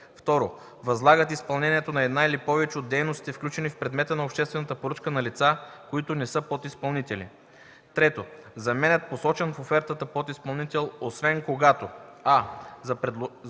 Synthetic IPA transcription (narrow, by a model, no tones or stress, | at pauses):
ft̪ɔɾo | vɐzlˠaɡət̪ispɐlˠnɛniɛt̪onɐɛd̪nailipɔvɛt͡ʃɛod̪ːɛjnost̪it̪ɛfklʲut͡ʃɛnifpɾɛd̪mɛt̪ənɐopʃt̪ɛst̪vɛnɐt̪əpoɾɤt͡ʃkənɐlit̪sakoit̪ʊnɛsɤpot̪ispɐlˠnit̪ɛlḭ | t̪ɾɛt̪o | zɐmɛnɛt̪̚posɔt͡ʃɛnfofɛɾt̪ət̪əpot̪ispɐlˠnit̪ɛlˠosvɛnkoɡat̪oa